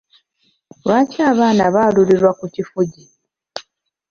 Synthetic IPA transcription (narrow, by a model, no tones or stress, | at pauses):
lwaːciaːβaːnaβaːluliɾwakucifuɟi